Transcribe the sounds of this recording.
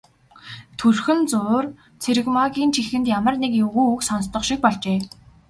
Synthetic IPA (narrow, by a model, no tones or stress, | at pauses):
t̪ʰuɮxɘ̆nt͡sʊːr | t͡sʰeɾɘ̆kmaɣʲiːnt͡ɕʰixɘ̆nt̪jamə̆rnekjɵɣuːuksɔnst̪ɞ̆χʃĭk̚pɔɮt͡ɕeː